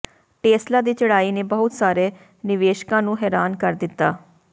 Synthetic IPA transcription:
ʈeːslaːd̪iːt͡ʃəɽaːiːneːbəʊt̪saːɾeː | nɪʋeːʃkãːnũːɦɛːɾaːnkəɾd̪ɪt̪ːaː

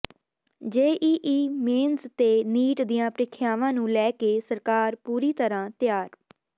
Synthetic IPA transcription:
d͡ʒeːʔiːʔiːmeːnzt̪eːniːʈd̪ɪjãːpɾɪkʰjaːʋãːnũːlɛːkeːsəɾkaːɾpuːɾiːt̪əɾãːt̪ɪjaːɾ

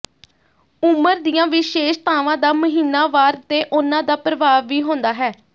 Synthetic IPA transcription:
ʊməɾd̪ijãːʋɪʃeːʃt̪aːʋãːd̪aːməɦiːnaːʋaːɾt̪eːʔʊnãːd̪aːpɾəʋaːʋːiːɦõːnd̪aːɦɛː

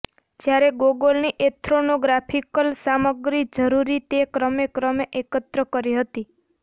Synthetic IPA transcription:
d͡ʒjaɾeɡoɡolniʔet̪ʰɾonoɡɾapʰikəlsaməɡɾid͡ʒəɾuɾit̪ekɾəmekɾəmeʔekət̪ɾəkəɾiɦət̪i

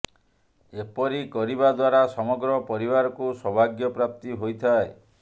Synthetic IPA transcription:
epɔɾikɔɾibad̪waɾasɔmɔɡɾɔpɔɾibaɾɔkusɔbʱaɡjɔpɾap̚t̪iɦojt̪ʰae

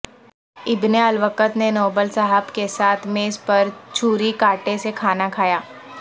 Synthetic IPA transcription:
ɪbneɐlʋəkət̪nenoːbəlsɐɦəbkesaːt̪ʰmeːspɐɾt͡ʃʰuːɾikaːʈesekʰaːnakʰaːjaː

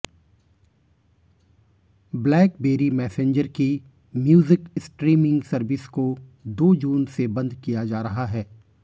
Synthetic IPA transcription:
blɛːkbeːɾimɛːsẽːɲd͡ʒəɾki | mjuːzɪksʈɾiːmɪ̃ŋɡsɐɾʋɪskod̪oːd͡ʒuːnsebɐ̃nd̪kijad͡ʒaːɾɐɦaɦɛː

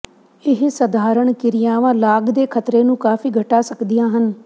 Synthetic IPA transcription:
ɪɦsəd̪ʱaːɾəɳkɪɾɪjaːʋãːlaːɡd̪eːkʰət̪ɾeːnũːkaːfiːɡʱəʈaːsəkd̪ɪjãːɦən

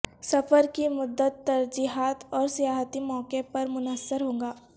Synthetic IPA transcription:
sɐfəɾkimʊd̪ːət̪ːɐɾd͡ʒiːɦaːt̪ɔːɾsijaːɦt̪imɔːkepɐɾmʊnəsːəɾɦõːɡaː

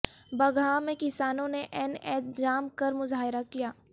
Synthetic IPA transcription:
bɐɡʱaːmẽkɪsaːnõneʔɛnɛːt̪̚d͡ʒaːmkɐɾmʊzaːɦɪɾakijaː

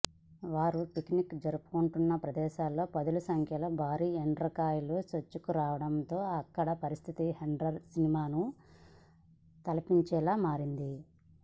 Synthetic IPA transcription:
ʋaːɾupiknikd͡ʒɐɾupu̥kuɳʈunːɐpɾɐd̪ɛːʃaːlːo̞ːpɐd̪ulusɐŋkʰjɐlo̞ːbʱaːɾiːeɳɖɾɐkaːjulusʋɐt͡ʃːukuɾaːʋɐɽɐmt̪o̞ːɐkːɐɽɐpɐɾist̪ʰit̪iheɳɖɾɐɾsinimaːnu | t̪ɐlɐpiɲt͡ʃɛːlaːmaːɾind̪i

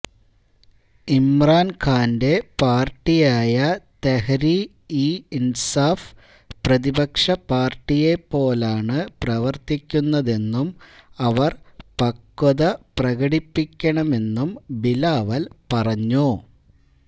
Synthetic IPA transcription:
imraːnkʰaːnde̞paːrʈːijaːjɐt̪ehɐɾi | iinsaːf | prɐðibɐkʂɐpaːrʈːijepːo̞ːlaːɳɨprɐʋɐrt̪ikʲːunːɐðe̞nːumɐʋɐrpɐkːɐðɐprɐɣɐɽipːikʲːɐɳɐme̞nːumbilaːʋɐlpɐrɐɲːu

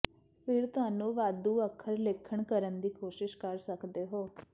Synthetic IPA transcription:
pʰɪɾt̪ʊɦaːnũːʋaːd̪uːəkʰːəɾlɪkʰəɳkəɾənd̪iːkoːʃɪʃkəɾsəkd̪eːɦoː

